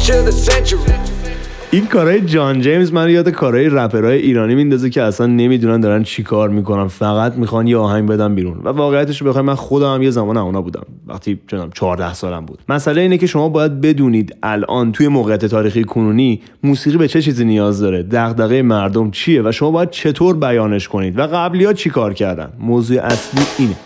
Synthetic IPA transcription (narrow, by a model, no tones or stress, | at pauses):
t͡ʃeəsɛnt͡ʃəi | ʔinkʰɒːɾɒːje̞d͡ʒɒnd͡ʒejmzmænjɒːd̪ekʰɒːɾɒːjeɾæpʰe̞ɾɒːjeʔiːɾɒːnimind̪ɒːzecʰe̞æsænːemid̪unænd̪ɒɾænt͡ʃʰikʰɒːɾmikonænfæɣæt̪ʰmixɒnjeɒːɦæŋɟbe̞d̪æmbiːɾunvæ̰vɒːɣejæt̪ʰeʃ̬obe̞xɒimænxod̪ɒːmæmje̞zæmɒːnæuːnɒːbuːd̪æ̰mvæ̰χt̪ʰit͡ʃʰonæmt͡ʃʰɒːɾd̪æhsɒːlæ̰mbṵːd̪̥mæsʔæleiːne̞ce̞ʃo̞mɒːbɒːjæd̪̚be̞d̪uːniːd̪ælʔɒ̰ːnt̪ʰuje̞moːɣejæt̪e̞t̪ʰɒːɾixijekʰonuːni | muːsiːɣiːbe̞t͡ʃʰe̞t͡ʃʰiːziːnijɒːzd̪ɒːɾe̞d̪æɣd̪æɣejemæɾd̪o̞mt͡ʃʰije̞væʃomɒːbɒːjæd̪̚t͡ʃʰe̞t̪ʰoːɾbæjɒːne̞ʃkʰo̞niːd̪væɣæblijɒːt͡ʃʰikʰɒːɾcʰæɾd̪æ̰nmoːzuːḛʔæsliːʔiːne